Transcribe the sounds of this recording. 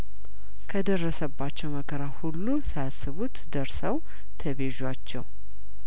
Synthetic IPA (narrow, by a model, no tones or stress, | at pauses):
kʰəd̪ərːəsəbːat͡ʃːɛwməkʰəɾahulːusajasːɨβut̪d̪əɾsəw | t̪ʰəβe̞ʒat͡ʃːɛw